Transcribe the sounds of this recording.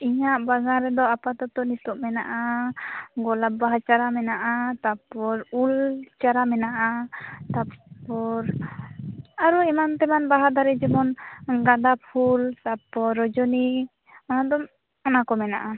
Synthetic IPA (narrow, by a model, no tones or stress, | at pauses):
iɲaʔbaɡaɾɛd̪ɔapat̪ɔt̪ɔnit̪ɔʔmɛna̰ʔa | ɡɔlabaɦat͡ʃaɾamɛnaʔat̪apɔɾult͡ʃaɾamɛnaʔat̪apɔɾ | aɾuɛmant̪ɛmanbaɦad̪aɾɛd͡ʒɛmɔnɡad̪apʰulsapɔɾɔd͡ʒɔni | ɔnad̪ɔm | ɔnakɔmɛna̰ʔa